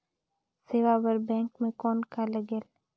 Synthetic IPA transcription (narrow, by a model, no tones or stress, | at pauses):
seːʋabəɾbɛ̃ːŋkmẽkɔːnkaləɡeːl